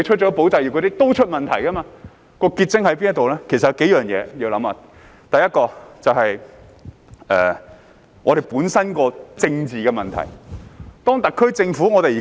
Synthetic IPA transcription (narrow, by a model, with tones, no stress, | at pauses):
e˧t͡ʃʰɵ˥t̚t͡ʃɔː˨˥po˨˥wt͡sɐ˧ji˨˩kʰːɾi˥t̪o˥wt͡ʃʰɵ˥t̚mɐ˨nt̪ʰɐ˨˩jkɐ˥maː˧ | kɔː˧kiː˧t̚t͡sɪ˥ŋhɐ˨˥jpiː˥njɐ˥t̪o˨wlɛː˥kʰe˨˩sɐ˨jɐ˨˧wke˨˥jœː˨˩ŋjɛ̰ː˨˧ji˧wlɐ˨˥maː˧ | t̪ɐ˨jɐ˥t̚kɔː˧t͡sɐ˨whɐ˨j | ɛː˨ | ŋɔː˨˧ɾe˨˩jpuː˨˥nsɐ˥nkɔː˧t͡sɪ˧ŋt͡siː˨˩kɛː˧mɐ˨˩nt̪ʰɐ̰˨˩jt̪ɔː˥ŋt̪ɐ˨kʰːɵ˥t͡sɪ˧ŋfuː˨˥ŋɔ˨˧e˨jː